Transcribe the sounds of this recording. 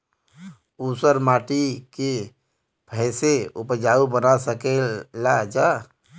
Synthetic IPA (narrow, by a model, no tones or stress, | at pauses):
usəɾmaːʈike | pʰəɪseʊ̰pd͡ʒaːubənasəkelad͡ʒa